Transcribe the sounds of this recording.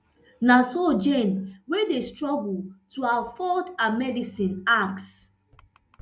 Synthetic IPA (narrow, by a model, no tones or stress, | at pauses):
nasod͡ʒẽnwedestɹɔɡultuawfɔdãmɛdisĩnaks